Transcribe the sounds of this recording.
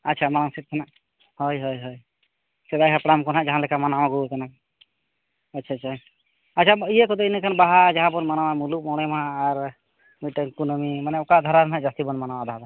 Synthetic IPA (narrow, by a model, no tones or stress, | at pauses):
ətːt͡ʃʰamanaŋsɛt̪̚ˀkʰanaʔ | hɔjɦɔjɦɔj | sɛd̪ajkʰapɽamkɔnɦaʔd͡ʒaɦalɛkʰamanawaɡuk̪ɛnak | at͡ʃʰat͡ʃʰaj | atːt͡ʃʰaijɛkɔd̪ɔinɛkʰanbaɦad͡ʒaɦãpɔnmanawamuluk̚mɔɽ̃ɛmãːɾ | miʈənkunɔmimanɛɔkad̪ʱɔɾaɾɔnɦaʔd͡ʒast̪ibɔnmanawad̪ʱaɦad̪a